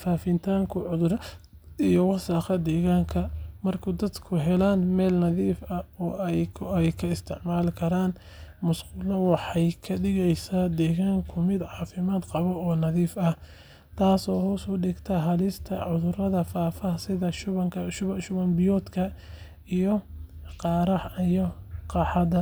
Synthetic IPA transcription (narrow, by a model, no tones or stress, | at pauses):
faːfɪnt̪ʰaːŋkʰʊʕʊðʊr | ijɔwɑsaːqɐd̪ɛːɣaːŋkʰɐmɐrkʰʊd̪ɐd̪kʰʊɦɛlaːnmɛːlnɐðiːfɐɔːɛjkʰɐɪst̪ʰɪʕmaːlkʰɐɾaːn | mʊsqʊːlɐwɑħɑjkʰɐɖɪɣɛjsaːd̪ɛːɣaːŋkʰʊmɪd̪ʕɑːfɪmaːd̪qɑβɔɔːnɐðiːfɐh | t̪ʰaːsɔːhʊsɔːɖɪɡt̪ʰɐɦɐlɪst̪ʰɐʕʊðʊrɐðɐfaːfɐsɪðɐʃʊβɐŋkʰɐʃʊʃʊβɐnbɪjɔːd̪kʰɐ | ijɔqɑːɾɐijɔqɑːħɑd̪ɐ